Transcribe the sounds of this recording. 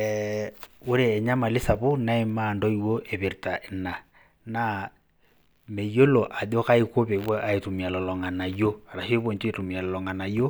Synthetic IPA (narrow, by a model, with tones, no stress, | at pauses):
o˦ɾeː˨ɲa˦ma˨li˦sa˨βo˦na˦e˦ma˨ndɔ˦i˦wo˦ʔɛ˨βe˨ɾta˨ʔɛ˨na˨ | na˦ | mɛ˨jo˦lɔ˨ʔa˨do˦ka˦i˦ko˦βe˨˦βwɔ˦ʔa˨e˨tu˨mi˨a˨lɔ˨lɔ˨ŋa˨na˨jo˦a˨ɾa˨ʃi˦e˦βo˦˨nte˨tu˨mi˨a˨lɔ˨lɔ˨ŋa˨na˨jo˦